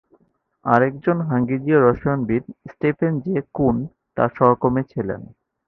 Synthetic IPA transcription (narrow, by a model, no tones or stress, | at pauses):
aɾek̚d͡ʑonɦaŋɡid͡ʑioɾɔʃajonbiɾsʈepʰend͡ʑekun | t̪a̰ʃɔɦokomet͡ɕʰilḛn